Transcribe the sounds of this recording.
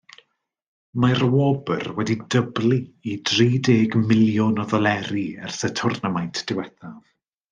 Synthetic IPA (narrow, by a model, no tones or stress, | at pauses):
marwɔbə̰rwɛdidəblˠiidriːdeːɡmɪlˠjʊnɔðɔlˠɛɾiɛ̰rsətʰʊrnəmajntʰd̥ɪwɛθav